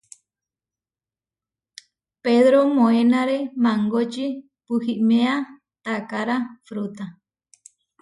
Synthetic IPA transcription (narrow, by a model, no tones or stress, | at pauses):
peðɾomõenaɾemãŋɡot͡ʃi | pɨhiʔmẽa | t̪akaɾafɾut̪a